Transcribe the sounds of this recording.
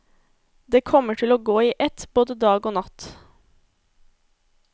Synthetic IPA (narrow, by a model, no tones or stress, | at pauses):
d̪eːkʰɔməʈʰɪloːɡoːiːʔɛt̪b̥oːd̪əd̪ɑːɡoːnɑt̪